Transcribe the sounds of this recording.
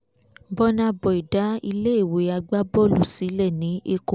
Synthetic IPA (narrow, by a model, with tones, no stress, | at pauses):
bɔ˦nã˧bɔ˨i˨da˨˦i˧le˦e˦˨we˨˦a˧ɡ͡ba˦bɔ˦˨lu˨si˨˦lɛ˦˨nĩ˨˦e˧ko˨